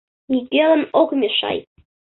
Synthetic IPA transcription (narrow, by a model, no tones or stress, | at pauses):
ikelə̆nokmʲeʃɑ̰j